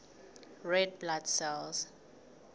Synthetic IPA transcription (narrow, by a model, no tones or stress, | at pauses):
ɹɛd̚bladsɛls